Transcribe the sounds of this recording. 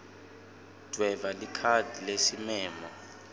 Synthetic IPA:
d̥ʱwɛvalikʰadʱilesimɛːmɔ

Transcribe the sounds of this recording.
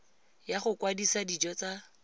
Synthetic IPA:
jaχʊkwadisadid͡ʒɔt͡sa

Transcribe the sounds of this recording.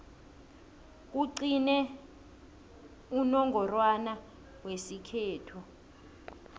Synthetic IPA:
k̬uǀinɛ | unɔŋɡʱɔrwana | wesikʰɛːtʰɔ

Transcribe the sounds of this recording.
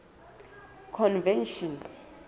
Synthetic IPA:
kʰɔnvɛnʃɔn

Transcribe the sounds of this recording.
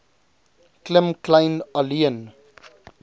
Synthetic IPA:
klɪmklãjnəliən

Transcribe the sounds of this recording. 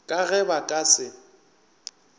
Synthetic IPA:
kʼaɣɛbakʼasɪ

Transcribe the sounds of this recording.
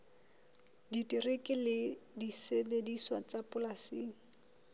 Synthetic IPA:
ditʼirekʼɪlɪdisebediswat͡sapʼʊlasiːŋ̩

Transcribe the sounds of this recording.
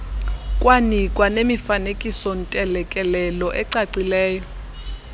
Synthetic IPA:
kʼwanikʼwanemifanekʼisɔn̩tʼɛlɛkʼɛlɛlɔʔɛǀaǀilɛːjɔ

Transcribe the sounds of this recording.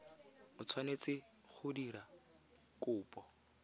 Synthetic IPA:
mʊt͡sʰwanet͡sɪ | χʊdiɾa | kʼʊːpʼɔ

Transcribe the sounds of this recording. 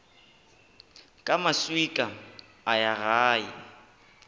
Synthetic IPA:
kʼamaswikʼa | ajaɣaːi

